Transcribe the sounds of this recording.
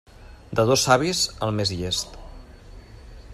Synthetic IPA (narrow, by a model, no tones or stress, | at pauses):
d̪əðosaβizəlˠmezʎest̪